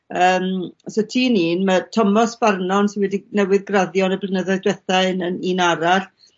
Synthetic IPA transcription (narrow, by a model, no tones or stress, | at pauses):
əːmsotʰiːniːnmətʰɔmɔsb̥arnɔnsɪnwɛdinɛwɨðɡraðjɔnəblˠənəðɔɨdwɛθaɨnəniːnaɾaɬ